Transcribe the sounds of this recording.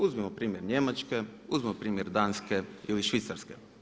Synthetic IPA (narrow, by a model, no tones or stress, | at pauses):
uzmimopɾiːmjeɾɲe̞mat͡ʃke̞uzmimopɾiːmjeɾd̪aːnskeiliʃʋit̪saɾskḛ